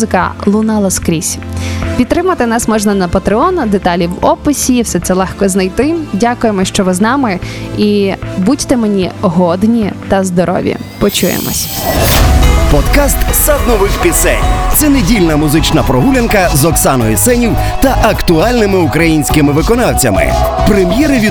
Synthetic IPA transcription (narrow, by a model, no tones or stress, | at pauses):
zɪkɐ̰lˠʊnɑlˠɐskɾʲisʲpʲit̪t̪ːɾɪmɐt̪ɪnɑsmɔʒnɐnɐpɐt̪ɾeɔnd̪et̪ɑlʲiwɔpɪsʲiwsɛt̪sɛlˠɛxkɔznɐjt̪ɪdʲakʊjemɔʃt͡ʃɔʋɪznɑmɪibudʲt̪ɛmenʲiɦɔd̪nʲit̪ɐzd̪ɔɾʔɔ̰ʋʲḭ | pɔt͡ʃujḛmɔ̰sʲ | pɔd̪kɑst̪sɐd̪nɔʋɪxpʲisɛ̰nʲt̪sɛnedʲilʲnɐmʊzɪt͡ʃnɐpɾɔɦulʲɐnkɐzɔksɑnɔjisɛnʲiw | t̪ɐʔɐkt̪ʊɑlʲnɪmɪʊkɾɐjinʲsʲkɪmɪʋɪkɔnɑwt͡sʲɐ̰mɪ̰pɾemʲjɛɾɪʋʲi